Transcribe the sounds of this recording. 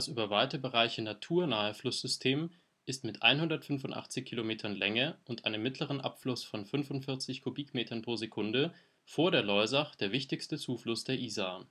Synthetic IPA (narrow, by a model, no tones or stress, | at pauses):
asʔyːbɐvaɪtəbəʁaɪçənatʰuːɐnaːəflʊsz̥ʏstʰeːm | ʔɪstmɪtʔa̰ɪnhʊndɐtfʏnfʊntʔa̰χt͡sɪçkʰilomeːtʰɐnlɛŋəʔʊntʔaɪnəmːɪtləʁ̞ənʔa̰pflʊsfɔnfʏnvʊntfɪɐt͡sɪçkʰubiːkmeːtʰɐnpʁ̥oːzekʰʊndə | foːɐdeːɐlɔʏzaχd̥eːɐvɪçtɪçstət͡suːflʊsd̥eːɐʔiːzaː